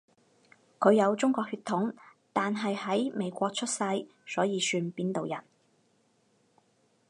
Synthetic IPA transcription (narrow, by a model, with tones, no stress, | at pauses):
kʰɵ˨˧ɥjɐ˨˧wt͡sʊ˥ŋkʷɔː˧k̚hyː˧t̪ʰːʊ˨˥ŋ | t̪aː˨nɦɐ˨jhɐ˨˥jme˨˧jkʷɔː˧k̚t͡ʃʰɵ˥t̚sɐ˧j | sɔː˨˥jiː˨˧syː˧npiː˥nt̪o˨wjɐ˨˩n